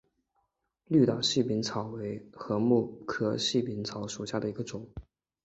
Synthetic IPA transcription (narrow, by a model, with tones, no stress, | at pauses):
ly˥˩t̪ɑ˨˩ʊɕi˥˩pi˧˥nt͡sʰɑ˨˩ʊwe˧˥ɪxɤ˧˥mu˥˩kʰɤ˥ɕi˥˩pi˧˥nt͡sʰɑ˧˥ʊʂu˨˩ɕja˥˩d̪ə˩i˧˥ɡə˧ʈ͡ʂʊ˨˩˦ŋ